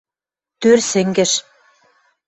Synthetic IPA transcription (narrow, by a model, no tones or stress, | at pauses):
t̪ørsɘ̆ŋɡɘ̆ʃ